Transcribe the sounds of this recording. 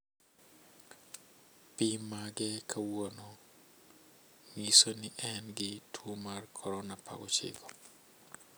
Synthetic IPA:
pimaɡɛkʰawonɔ | misonɪʔɛnɡɪtʰwomarkʰɔɾɔnapa̰ɡɔ̰t͡ʃɪ̰ɡɔ

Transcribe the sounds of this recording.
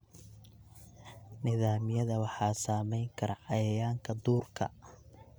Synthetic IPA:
nɪðaːmɪjɐðɐwɑħɑːsaːmɛjŋkʰɐɾɐʕɑjɐjaːŋkʰɐd̪uːrkʰɐ̰

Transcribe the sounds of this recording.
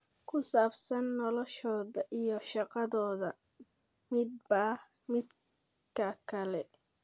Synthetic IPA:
kʰʊsaːbsɐnːɔlɔʃɔːðɐʔijɔʃɑqɑðɔːðɐ | mɪd̪̚bah | mɪd̪ | kʰɐkʰɐlɛ

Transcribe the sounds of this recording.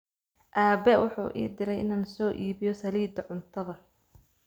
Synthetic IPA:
ʔaːbɛwʊħṵːʔḭːd̪ɪɾɛjʔɪnaːnsɔːʔiːβɪjɔsɐliːd̪ɐʕʊnt̪ʰɐðɐ

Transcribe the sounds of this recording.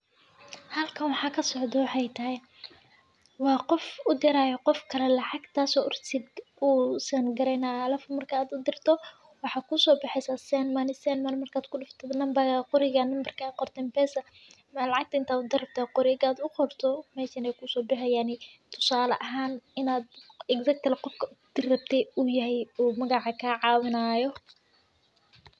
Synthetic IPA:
hɐlkʰɐnwɑħɑːkʰɐsɔʕd̪ɔwɑħɑjt̪ʰɐɦɛj | wɑːqɔfʊd̪ɪɾaːjɔqɔfkʰɐlɛlɑʕɑɡt̪ʰaːsɔːʔʊrt̪ʰɪd̪ʔuːsɐnɡɐɾɛjnaːlɐfʊmɐrkʰɐːd̪ʊd̪ɪrt̪ʰɔ | wɑħɑːkʰʊsɔːbɑħɛsasɛnmɐnɪsɛnmɐnmɐrkʰaːd̪kʰʊɖɪft̪ʰɔnɐmbɐɣaqʊɾɪɣɐnɐmbɐrkʰaqɔrt̪ʰɛːmpɛːsɐ | mɐlɑʕɑk̚t̪ʰɐɪnt̪ʰaːd̪ʊd̪ɪrɐb̚t̪ʰaːqʊɾɪɡaːd̪ʊqɔrt̪ʰɔmɛːʃɐnɛjkʰʊsɔːbɪħɛjaːnɪt̪ʰʊ̥saːlɐ̰ʔɐɦaːnɪnaːd̪̚ɛɡsɐk̚t̪ʰlqɔrkʰɐd̪̥ɪrɐb̚t̪ʰɛʊjɐɦɛjuːmɐɣɑʕɑkʰaʕɑːwɪnaːjɔ

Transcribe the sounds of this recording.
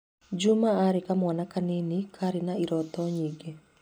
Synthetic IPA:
d͡ʒumaːɾekamwanakanenikʰaɾɪnaiɾɔt̪ɔɲiɡe

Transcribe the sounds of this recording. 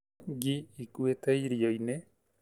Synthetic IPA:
ɡiikueteiɾioine

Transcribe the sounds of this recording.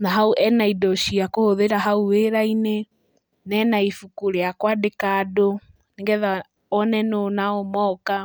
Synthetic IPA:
naɦauʔɛnaidɔʃiakohoðeɾaɦauweɾaine | nɛnaifukuɾeakwadekaːdo | neŋɡɛða | ɔnɛnonaomɔka

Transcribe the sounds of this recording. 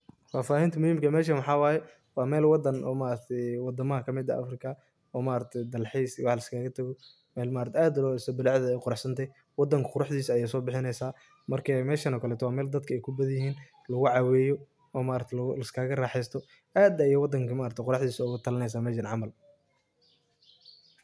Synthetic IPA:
faːfaːhɪnt̪ʰɐmʊhiːmkɐmɛːʃ̬ɐmɑħɑːwɑːjɛ | wɑːmɛːlwɑd̪ɐnʔɔ̰ːmaːɾɐt̪ʰɛjwɑd̪ɐmɐɦɐkʰɐmɪd̪ɐ̰ʔɐ̰frɪkʰɐ | ɔːmaːɾɐt̪ʰɛjd̪ɐlħɛjswħlɐskʰaːɣɐt̪ʰɐɣɔ | mɛːlmaːɾɐt̪ʰɛaːd̪lɔːsɔbɪlʕðɐɛjqʊɾɑħsɐnt̪ʰɛj | wɑd̪ɐŋkʰɐ̥qʊɾɑħd̪iːsɐjaːsɔːbɪħɪnɛjsaː | mɐrkʰɛmɛːʃɐnɔkʰɐlɛːt̪ʰɔwaːmɛːld̪ɐd̪kʰɐɛjkʰʊbɐðjɪɦiːn | lɐɣʊʕɑwɛːjɔ | ɔːmaːɾɐkt̪ʰɛlɐskʰaːɣɐraːħɛjst̪ʰɔ | ʔaːd̪ɐijɔwɑd̪ɐŋkʰɐmaːɾɐt̪ʰjqʊɾɑħd̪iːsɐɔɣʊt̪ʰɐlɐnɛjs̬aːmɛːʃɐnʕɑmɐl

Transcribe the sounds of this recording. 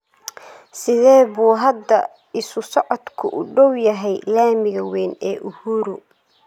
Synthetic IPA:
sɪðɛːβuːɦɐd̪ːɐ | ɪsʊsɔʕɔd̪kʰʊʔʊɖɔwjɐɦɛjlaːmɪɣɐwɛːnɛ̰ːʔʊhuːɾʊ

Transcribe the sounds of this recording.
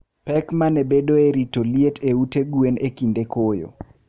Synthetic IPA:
pɛkmanebedoeɾitolietʰeuteɡuenekindekojo̰

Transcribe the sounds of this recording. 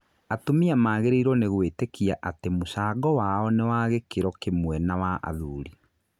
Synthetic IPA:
atomiamaːɣeɾeiɾɔneɣwetekiaʔatemosaːɡɔwaɔnewaɣekeɾɔkemwɛnawaʔa̰ðuːɾi

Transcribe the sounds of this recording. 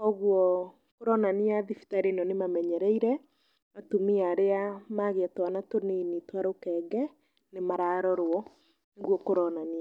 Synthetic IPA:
ɔɣwɔ | koɾɔnaniaðifi̥taɾenɔnemamɛɲɛɾɛiɾɛ | matumiaɾeamaɣeatwanatonenitwaɾokɛɡɛ | nemaɾaɾɔɾwɔ | neɣwɔkoɾɔnania

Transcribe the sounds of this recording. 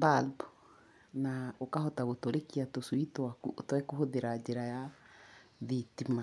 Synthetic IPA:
balbɔ | naokaɦɔtaɣotoɾekiatosuitwatwɛkoɦoðeɾad͡ʒeɾaja | ðitima

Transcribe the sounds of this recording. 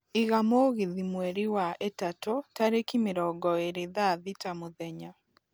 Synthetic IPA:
iɣamoɣiðimwɛɾiwaetatotaɾekimɪɾɔɡɔeɾeðaðitamoðɛɲa

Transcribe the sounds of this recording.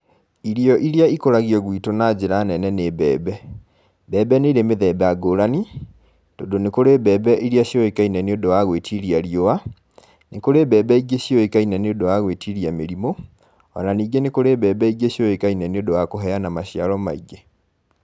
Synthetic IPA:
iɾiɔʔiɾjaikoɾaɣiɔɣwitonad͡ʑeɾanɛnɛneːβɛːbɛ | bɛːbɛneɾemeðɛbɛaɡoɾani | tondonekoɾeβɛbɛʔiɾiaɕjoekainɛneodowaɣwetʰiɾiaɾioa | nekoɾeβɛːbɛiɡeɕjoekainɛneodowaɣwetiɾiameɾimo | ɔ̰naniːɡenekoɾeːβɛːbɛiɡeɕjoekainɛneodowakoɦɛanamaɕiaɾɔmaiɡe

